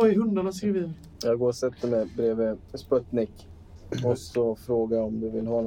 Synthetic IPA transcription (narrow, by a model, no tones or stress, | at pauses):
ɔɪɦɵnd̪anaskɾiːvin | jɑːɡoːɾɔsɛt̪ʰːəmɛbɾeːvəspɔt̪nɪk | ɔsɔfɾoːɡaɔmd̪ɵvɪlɦɑːn